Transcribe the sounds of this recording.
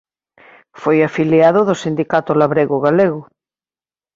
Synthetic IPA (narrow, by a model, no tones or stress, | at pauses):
fojafiljaðoðosind̪ikat̪olaβɾeɣoɣaleɣo